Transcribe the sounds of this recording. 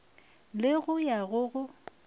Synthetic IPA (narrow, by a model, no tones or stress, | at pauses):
lɪɣʊjaɣʊɣʊ